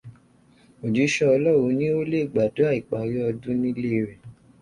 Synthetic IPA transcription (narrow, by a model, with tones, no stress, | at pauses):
o˨d͡ʒi˨˦ʃɔ˦ɔ˧lɔ˦˨wo˨˦nĩ˦o˦le˦i˦˨ɡ͡ba˨do˨˦a˦˨i˨k͡pa˨ɾi˦ɔ˧dũ˦nĩ˦le˦˧ɾɛ˨